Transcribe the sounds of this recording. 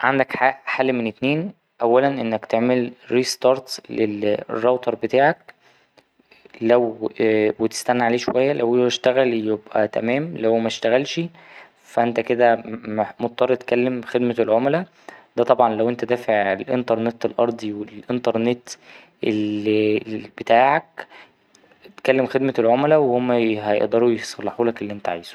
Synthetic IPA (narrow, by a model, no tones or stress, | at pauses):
ʕand̪ækħaħalːimenet̪neːn | ʔæwːælænʔenːækt̪eʕmelɾiːst̪ɑːɾˤt̪lerˤːɑwt̪ɑɾˤbet̪aːʕæk̚ | læwwet̪e̥st̪ænːaʕaleːʃowæjːælʔæwwæʃt̪æɣæljebʔæt̪æ̰mæːmlæwmæʃt̪æɣælʃi | fæʔent̪æked̪æmmot̪̚ːˤɑɾˤːɑt̪kælːemxed̪meelʕomlæ | d̪̥æt̪ˤɑbʕɑnlæwʔent̪æd̪æːfeʕelʔḛnt̪ɑɾˤnet̪elʔɑɾˤd̪ˤiwelʔent̪ɑɾˤnet̪ | ʔelibet̪aːʕæk | t̪kælːemxed̪melʕomlæwehomːæɦæjḛʔd̪ˤɑɾˤujesˤɑlːɑħuːlækelːiʔent̪æʕiːz̥u̥